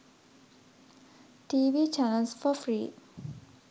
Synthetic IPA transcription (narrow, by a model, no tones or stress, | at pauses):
ʈiːʋiːt͡ʃænəlsfɔfɾiː